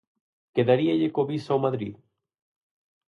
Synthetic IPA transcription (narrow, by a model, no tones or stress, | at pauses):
keðaɾiaʎekoβisawmaðɾḭð